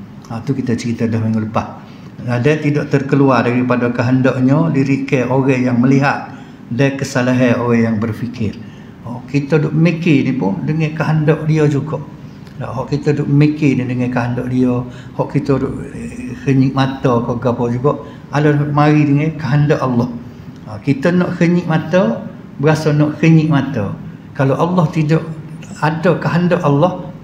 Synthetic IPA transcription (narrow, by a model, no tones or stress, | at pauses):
at̪ukit̪ət͡ʃəɾit̪ədəhməŋələpat̪̚ | ladɛt̪idɔʔt̪ərkəluardaɾipadakəɦəndɔʔɲədiɾiʔkəoɣɛhjaŋməliɦat̪̚ | dajkəsalaɦəoɣɛjaŋbərfikɪr | hɔʔʔkit̪ədʊʔmikinipʊndəŋɛkaɦandɔʔdiod͡ʒuɡɔʔ | a̰ɦɔʔkit̪ədʊʔəmikɪdədəŋɛkaɦandɔʔdiɔ | hɔʔkit̪ədʊ̰ʔkəɲɪʔmat̪əkoɡapɔd͡ʒuɡɔʔ | alomaɾidəŋɛkaɦandɔʔalːɔh | kit̪ənɔʔkəɲɪʔmat̪ə | bəɾasɔnɔʔkəɲiʔmat̪ə | kaloʔalːɔht̪idɔʔadəkaɦandɔʔalːɔh